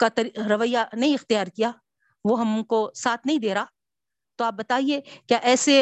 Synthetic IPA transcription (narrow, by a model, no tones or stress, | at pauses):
kat̪ɐɾiɾɐʋəjːanɐɦĩɪxt̪ɪjaːɾkijaː | ʋoɦɐmkosaːt̪ʰnɐɦĩd̪eːɾaː | t̪oaːp̚bɐt̪aːiekjaʔɛːse